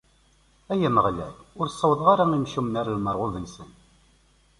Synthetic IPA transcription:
æjənəʁlæ̰lʊɾsˤːəwðˤʁaɾaimʃumnaɾəlməɾˤʁʊðənsən

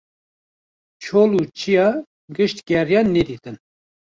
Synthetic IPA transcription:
t͡ʃʰoːluːt͡ʃʰijɑ | ɡɨʃt̪ɡʲɛɾjɑnnːɛd̪iːt̪ɨn

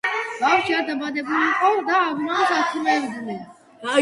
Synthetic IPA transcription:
b̥afʃiad̪abad̪ɛbuliːqʼɔd̪aːɾɾaɔsasʰimɛvd̪unɛ

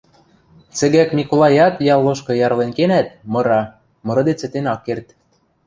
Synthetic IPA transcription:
t͡sɘ̆ɣækmʲikolˠɑjɑt̪jɑlˠːɤ̆ʃkɤ̆jɑɾlenkenæt̪̚mɤ̆ɾɑ | mɤ̆ɾɤ̆d̪et͡sɘ̆t̪enɑkːert̪

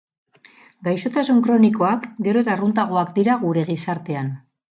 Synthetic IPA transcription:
ɡajso̞t̪asuŋkɾo̞niko̞akɡe̞ɾo̞et̪arunt̪aɣ̞o̞akd̪iɾaɣuɾe̞ɣ̞isaɾt̪e̞an

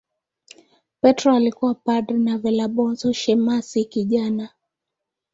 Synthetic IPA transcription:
pɛtɾɔalikuwapadɾinavɛlaɓɔnzɔʃɛmasikiʄana

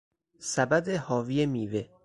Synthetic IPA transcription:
sæbæd̪ehɒːviːemiːve

